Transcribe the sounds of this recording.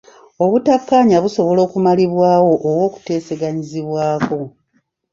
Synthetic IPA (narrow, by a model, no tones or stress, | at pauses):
o̞βutapːaːɲaβuso̞βo̞lo̞ːkumaliβwaːwo̞ʔːwo̞ːku̥te̞ːse̞ɡaɲiziβwaːko̞